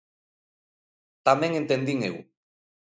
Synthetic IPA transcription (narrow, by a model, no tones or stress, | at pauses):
t̪ameŋent̪end̪iŋew